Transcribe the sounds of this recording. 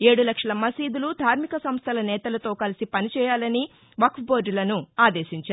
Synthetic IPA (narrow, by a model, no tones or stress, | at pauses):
e̞ːɽulɐkʂɐlɐmɐsiːd̪ulud̪ʱaːɾmikɐsɐmst̪ʰɐlɐnɛːt̪ɐlɐt̪o̞ːkɐlisipɐnit͡ʃɛːjaːlɐni | ʋɐkfboːɾɖlɐnuaːd̪eːʃiɲt͡ʃaːɾ